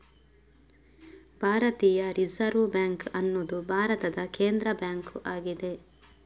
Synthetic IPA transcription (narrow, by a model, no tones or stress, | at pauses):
b̥ʱaːɾɐt̪iːjɐɾizɐɾʋbjaːŋkɐnːoːd̪ubʱaːɾɐt̪ɐd̪ɐkeːnd̪ɾɐbjaːŋkʔaːɡid̪e̞